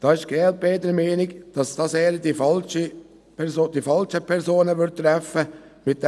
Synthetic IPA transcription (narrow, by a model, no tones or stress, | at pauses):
d̥ɑːɪʃɡ̥ɛːlt̚beːdəɾmɛːnɪɡd̥ɑsd̥ɑseːɾd̥ifɑlʃə | pʰɛsoːd̥̪ifɑlʃəpʰɛɾsoːnəʋʏɾt̚t̪ːɾɛfəmɪt̚d̥ɛ